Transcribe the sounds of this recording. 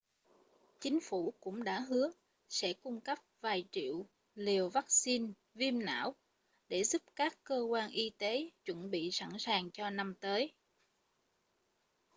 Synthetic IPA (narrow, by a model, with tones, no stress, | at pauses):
t͡ɕï˨˦ŋ̟fu˧˩kʊ̰˧˥ŋ͡mɗa̰ː˧˥ɦɨ˨˦ə | sɛ̰˧˥kʊ˧ŋ͡mkə˦˥p̚vaː˨˩jt͡ɕḭ˧˨əw | li˨˩əwva˦˥k̚si˧n | vi˧əmna̰ː˧˥˨w | ɗe˧˩zu˦˥p̚kaː˦˥kːəː˧kwaː˧nʔi˧t̪e˨˦t͡ɕwə̰˧˩nɓḭ˧˨sa̰˧˥nsaː˨˩ŋt͡ɕɔ˧na˧mt̪əː˨˦j